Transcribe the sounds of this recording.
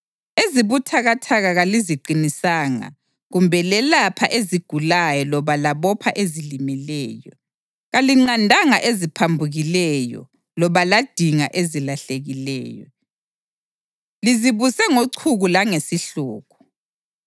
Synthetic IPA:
eziβutʰaɣatʰaɣaɣaliziǃinisaːŋa̰ | ɣumbʱɛlɛlapʰa̰ʔeziɡ̥ʱulajɔlɔβalaβɔpʰaʔezilimilɛːjɔ | ɣaliŋ͡ǀandʱaŋaʔezipʰambʱuɣilɛjɔ̰ | lɔβalad̥ʱiŋaʔezilaɬeɣilɛ̰ːjɔ̰ | liziβusɛŋoǀʰuɣulaŋesiɬṵːɣʰu̥

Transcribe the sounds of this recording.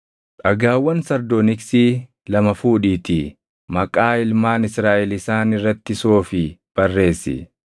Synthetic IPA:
ᶑɐɡaːwːɐnsɐɾd̪ɔnɪksiː | lɐmɐfuːᶑiːt̪i | mɐkʼaːɪlmaːnɪsɾaːʔɛlɪsaːnɪrːɐt̪ːɪsoːfɪb̥ɐrːe̞ːsːɪ̰

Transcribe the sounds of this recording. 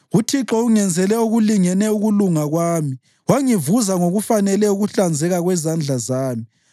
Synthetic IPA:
utʰiǁɔuŋɛnd͡zʱɛlɛuɣuliŋɛnɛuɣuluŋaɣwaːmi | waŋivuzaŋoɣufanɛlɛuɣuɬand͡zʱɛɣaɣwɛzand͡ɮʱazaːmi

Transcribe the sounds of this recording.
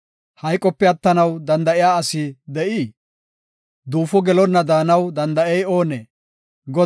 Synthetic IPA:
hɐjkʼːɔpːɛɐt̪ːɐnɐwd̪ɐnd̪ɐʔɪjaːɐsid̪ɛʔiː | d̪uːfɔɡɛlɔnːɐd̪aːnɐwd̪ɐnd̪ɐʔɛjo̞ːneː | ɡɔ

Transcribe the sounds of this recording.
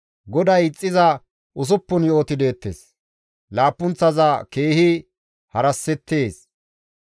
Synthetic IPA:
ɡɔd̪ɐjɪt͡sʼːɪzɐ | ʔʊs̬ʊpːʊnjo̞ːt̪ɪd̪e̞ːt̪ːes | laːpːʊnt͡sːɐzɐke̞ːhɪ | hɐɾɐsːɛt̪ːe̞ːs

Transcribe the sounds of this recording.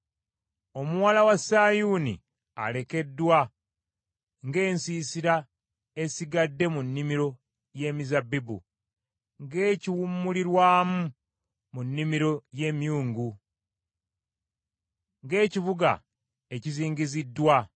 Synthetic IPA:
o̞muwalawasaːjuːnḭ | a̰le̞ke̞dːwa | ŋɡe̞ːnsiːsiɾa | e̞siɡadːe̞munːimiɾo̞ | je̞ːmizabibṵ | ŋɡe̞ːciwumːuliɾwaːmu | munːimiɾo̞je̞ːmjuːŋɡu | ŋɡe̞ːcivuɡa̰ | e̞ciziːŋɟizidːwa

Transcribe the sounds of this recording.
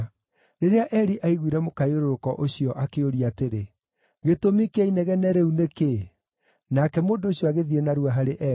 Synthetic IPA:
ɾeɾeaʔɛɾiʔaiɣwiɾɛmokaioɾoɾokɔʔoɕiɔʔakeoɾiateɾe | ɣetomikeainɛɣɛnɛɾeuneke | nakɛmoːndoːɕjɔaɣeðienaɾuaɦaɾeʔɛ

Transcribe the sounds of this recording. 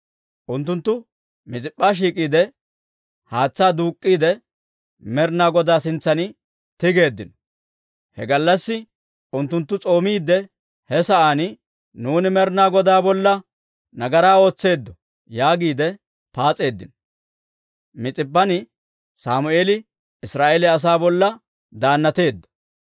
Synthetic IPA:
ʔʊnt̪ːʊnt̪ːʊ | mɪt͡sʼɪpʼːaːʃ̬iːkʼiːd̪ɛ | haːt͡sːaːd̪uːkʼːiːd̪ɛ | mɛɾnaːɡɔd̪aːsɪnt͡sːɐnɪ | t̪ɪɡe̞ːd̪ːɪnɔ | hɛ̰ɡɐlːɐsːɪ | ʊnt̪ːʊnt̪ːʊt͡sʼo̞ːmiːd̪ːɛ | hɛsɐʔaːnɪ | nuːnɪmɛɾnaːɡɔd̪aːbɔlːɐ | nɐɡɐɾaːo̞ːt͡sːe̞ːd̪ːɔ | jaːɡiːd̪ɛ | paːt͡sʼe̞ːd̪ːɪ̰nɔ | mɪt͡sʼɪbːɐnɪ | saːmʊʔeːlɪ | ɪsɾaːʔɛlɛɐs̬aːbɔlːɐ | d̪aːnːɐt̪e̞ːd̪ːɐ̥

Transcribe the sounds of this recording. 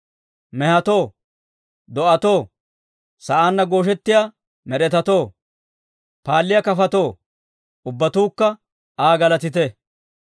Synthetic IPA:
mɛhɐt̪o̞ː | d̪ɔʔɐt̪o̞ː | sɐʔaːnːɐɡo̞ːʃ̬ɛt̪ːɪjaː | mɛɾɛt̪ɐt̪o̞ː | paːlːɪjɐkɐfɐt̪o̞ː | ʊbːɐt̪uːkːɐ | aːɡɐlɐt̪ɪt̪̬ɛ

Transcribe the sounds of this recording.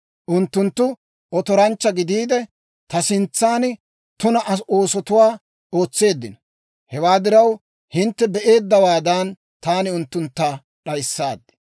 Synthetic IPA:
ʔʊnt̪ːʊnt̪ːʊ | ʔɔt̪ɔɾɐnt͡ʃːɐɡɪd̪iːd̪ɛ | t̪ɐsɪnt͡sːaːn | t̪ʊnɐʔɐso̞ːsɔt̪ʊwaː | o̞ːt͡sːe̞ːd̪ːɪnɐ | hɛwaːd̪ɪɾɐw | hɪnt̪ːɛbɛʔe̞ːd̪ːɐwaːd̪aːn | t̪aːnɪʊnt̪ːʊnt̪ːaː | ɗɐjsːaːd̪ːɛ̥

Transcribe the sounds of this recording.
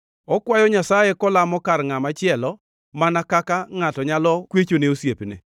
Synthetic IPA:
ɔkwajɔɲasajekɔlamɔkarŋamat͡ʃɪɛlɔ | manakakaŋatɔɲalɔkwet͡ʃoneosjepnḛ

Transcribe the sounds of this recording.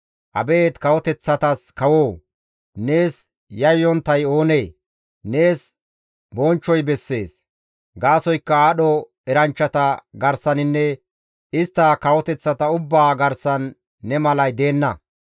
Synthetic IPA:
ʔɐ̰be̞ːt̪kɐwɔt̪ɛt͡sːɐt̪ɐskɐwoː | ne̞ːs | jɐjjɔnt̪ːɐjo̞ːne̞ː | ne̞ːs | bɔnt͡ʃːɔjbɛsːe̞ːs | ɡaːsɔjkːɐaːɗɔ | ɛɾɐnt͡ʃːɐt̪ɐɡɐɾsɐnɪnːɛ | ɪst̪ːɐkɐwɔt̪ɛt͡sːɐt̪ɐʊbːaːɡɐɾsɐnː | ɛmɐlɐjd̪e̞ːnːɐ

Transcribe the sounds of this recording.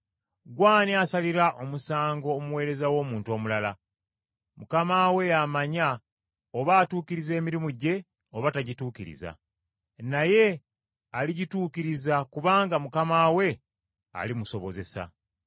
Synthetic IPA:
ɡwaːniasaliɾaʔo̞musaːŋɡo̞ːmuwe̞ːɾe̞zawo̞ːmuːntuo̞ːmulala | mukamaːwe̞jamaɲa | oβaːtuːciɾize̞ːmiɾimuɟe̞ | oβataɟituːciɾḭza̰ | naje̞ | aliɟituːkiɾizakuβaːŋɡamukamaːwe̞ | a̰limuso̞βo̞ze̞sa̰

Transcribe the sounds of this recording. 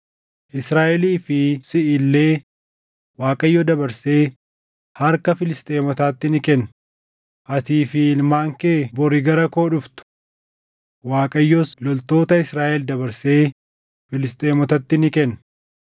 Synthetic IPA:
ʔɪsɾaːʔɛliːfɪsɪʔɪlːe̞ː | waːkʼɐjːɔd̪ɐbɐɾseː | hɐɾkɐfɪlɪst̪ʼe̞ːmɔt̪aːt̪ːɪnɪkɛnː | ʔɐt̪iːfɪlmaːŋkeːbɔɾɪɡɐɾɐkoːᶑʊft̪ʊ̥ | waːkʼɐjːɔslɔlt̪o̞ːt̪ɐɪsɾaːʔɛld̪ɐbɐɾse̞ː | fɪlɪst̪ʼe̞ːmɔt̪ɐt̪ːɪnɪkɛnː

